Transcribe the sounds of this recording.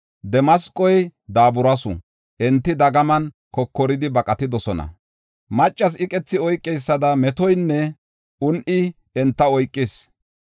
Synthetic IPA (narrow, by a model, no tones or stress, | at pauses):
d̪ɛmɐskʼːɔjd̪aːbʊɾɐsʊ̰ | ʔɛnt̪ːɪd̪ɐɡɐmɐn | kɔkːɔɾɪd̪ɪbɐkʼɐt̪ɪd̪ɔsɔnɐ̰ | mɐt͡ʃʼːɐs̬ɪkʼɛt͡sːɪɔjkʼːɛjsːɐd̪ɐmɛt̪ɔjnːɛ | ʊnʔɪ | ɛnt̪ːɐɔjkʼːɪs